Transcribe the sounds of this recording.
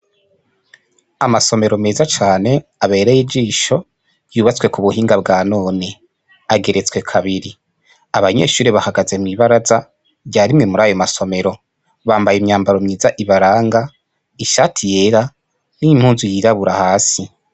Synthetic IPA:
amaso̞me̞ɾome̞ːzat͡ʃaːne̞aβe̞ːɾejiɟiːʃo̞ | juːβat͡swe̞kuβuhiːŋɡabɡaːno̞ːne | aɡe̞ɾe̞t͡swe̞kʰaβiɾi | aβaɲe̞̰ːʃuːɾeβahaɡazemŋiβaɾaza | ɟaːɾimŋe̞muɾaːjomaso̞me̞ɾo̞ | βaːmbajemɲaːmbaɾo̞mɲiːzaʔiβaɾaːŋɡa | iʃatʰijeɾa | nim̥huːnzujiɾaβuɾahaːsi

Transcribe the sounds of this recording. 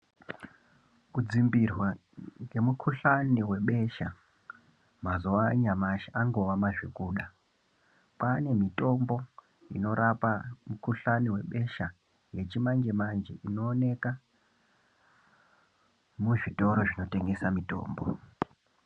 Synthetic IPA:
kud͡zimbirwa | ŋɡe̞mukʰuɬaniwe̞ɓe̞ʃa | mazuwaɲamaʃaaŋɡo̞ʋamaʐikuːɗa | pane̞mito̞mbo̞ | ino̞ɾʔapamukuɬaniwe̞ɓe̞ʃa | je̞t͡ʃimand͡ʒe̞mand͡ʒeʔino̞ːne̞ka | muʐito̞ɾo̞ʐino̞te̞ŋɡe̞samito̞̰ːmbo

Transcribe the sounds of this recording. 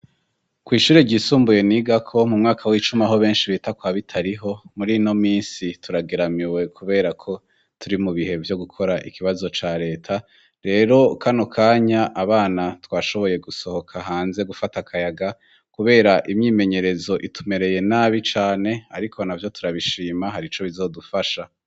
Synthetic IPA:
kwiːʃuːɾeɟiːsuːmbuje̞niɡakʰo̞mumŋaːkʰawiːt͡ʃumaɦo̞βe̞ːnʃiβitakwaβitʰaɾiɦo̞muɾino̞miːnsituɾaɡe̞ɾamiwe̞kʰuβe̞ːɾakʰo̞ | tʰuɾimuβiɦe̞vjo̞ɡukʰo̞ɾaʔikʰiβazo̞t͡ʃaɾe̞ːtʰa | ɾe̞ːɾo̞kʰano̞kʰaːɲaʔaβaːnatwaːʃo̞βo̞je̞ɡuso̞ho̞kʰaɦaːnze̞ɡufatakʰajaɡa | kuβe̞ːɾaʔimɲiːme̞ɲe̞ɾe̞zo̞ʔitʰume̞ɾe̞je̞naːβit͡ʃaːne̞aɾikʰo̞navjo̞tuɾaβiʃiːmaɦaɾit͡ʃo̞βizo̞ːdufaʃa

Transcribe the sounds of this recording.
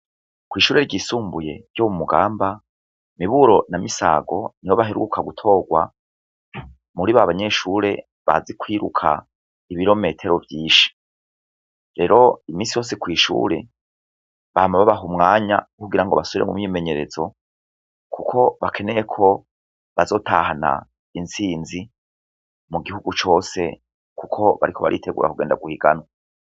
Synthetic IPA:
kwiːʃuːɾeɾɟiːsuːmbuje̞ɾɟoβumuɡaːmba | miβuɾo̞namisa̰ɡo̞niwoβaɦiɾṵukʰaɡutʰo̞ːɡwa̰ | muɾiβaβaɲe̞ʃuɾe̞ | βa̰zikwiːɾukʰa̰ | iβiɾo̞me̞ːtʰe̞ɾo̞vjiːʃi̥ | ɾe̞ɾo̞imiːnsijo̞ːs̬ekwiːʃṵːɾe̞ | βaːmaβaβaɦumŋaːɲakuɡiɾaŋɡo̞βasouβiɾemṵmɲiːme̞ɲe̞ɾe̞zo̞ | kʰukʰo̞βakʰe̞ne̞ekʰo̞ | βazo̞ːtahana̰ | insiːnzi | muɡihuɡut͡ʃo̞ːse̞ | kukʰo̞βa̰ɾikʰo̞βa̰ɾḭtʰe̞ɡṵːɾa̰kuɡe̞ːnda̰ɡuhiɡ̥anwa

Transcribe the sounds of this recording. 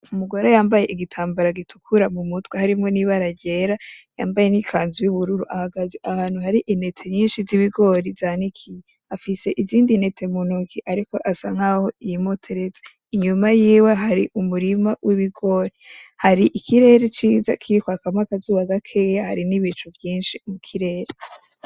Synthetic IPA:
umuɡoɾojaːmbaje̞ʔiɡitʰaːmbaɾaɡitʰu̥kʰuɾamumutɡwehaɾimŋo̞niβaɾaɟe̞ɾajaːmbajenikʰaːnzujuβuɾuɾuʔahaɡazeʔahaːnhuhaɾiʔine̞tʰe̞ɲiːnʃiziβiɡo̞ɾizanikʰije | afise̞ʔiziːndine̞tʰe̞munukʰiʔaɾiko̞ʔasaŋ̥aho̞ijimotʰeɾeze | iɲumajiːweɦaɾiʔumuɾimawʔiβiɡo̞ɾihaɾiʔikʰiɾe̞ːɾet͡ʃiːza̰kʰiɾikoakamakazuːβaɡakʰe̞ːjahaɾiniβit͡ʃuvjiːnʃimukʰiɾe̞ːɾe

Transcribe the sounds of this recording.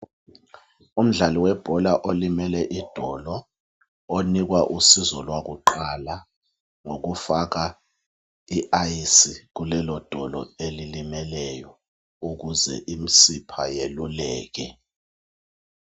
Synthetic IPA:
um̩ɮaliwɛb̥ʱɔlaʔolimɛlɛʔid̥ʱɔlɔ | onik̬waʔusizɔlwak̬uǃala | ŋok̬ufak̬a | iʔaisik̬ulɛlɔd̥ʱɔlɔ̰elilimɛlɛjɔ | uk̬uzɛ̰ʔim̩sipʰajelulɛːk̬ɛ

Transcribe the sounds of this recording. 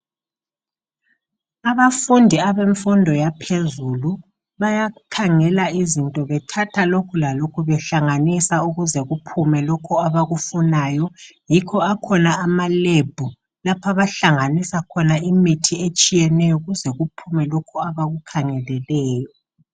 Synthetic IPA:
aβafundʱiaβeɱfundʱɔjapʰezulu | βajakʰaŋɛlaizintʼɔβɛtʰatʰalokʰulalokʰuβɛɬaŋanisauɣuzɛɣupʰumɛlɔkʰɔaβaɣufunaːjɔjikʰɔakʰɔnaːmaleb̥ʱu | lapʰaβaɬaŋanisakʰɔnaimitʰiet͡ʃʼijɛnɛjɔuɣuzɛɣupʰumɛlokʰuaβaɣukʰaŋɛlɛlɛːjɔ

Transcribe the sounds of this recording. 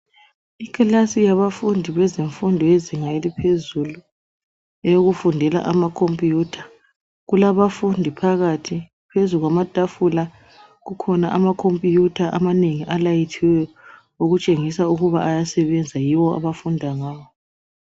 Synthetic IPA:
ikʰʼalasijaβafundʱiβɛzeɱfundʱɔjeziŋajelipʰezulu | ejoɣufundʱɛla̰ʔamakʰompʼijutʰḁ | ɣulaβafundʱipʰaɣatʰi | pʰezuɣwamatʼafula | ɣukʰɔnaʔamakʰompʼijutʰaʔamaneŋiʔalajitʰiwɛ | oɣut͡ʃʼeŋisauɣuβaʔajasɛβɛnd͡zʱajiwɔa̰βafundʱaŋaːβɔ

